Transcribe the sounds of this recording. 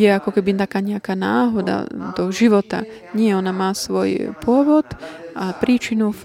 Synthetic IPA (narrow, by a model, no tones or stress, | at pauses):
jɛakɔkɛbit̪akaːɲɛakaːna̰ːɦɔd̪a̰d̪ɔʒiʋɔt̪a̰ɲɪɛɔnamaːsʋɔjpʊɔʋɔt̪ʔapɾiːt͡ʃinu